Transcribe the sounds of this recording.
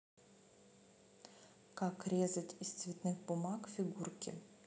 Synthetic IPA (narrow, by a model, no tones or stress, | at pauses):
kakɾʲezətʲɪst̪svʲɪt̪nɨxbʊmakfʲɪɡurkʲɪ̰